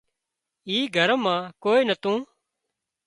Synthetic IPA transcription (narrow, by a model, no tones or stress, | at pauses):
iːɡʱəɾmãːkoːiːnət̪ũː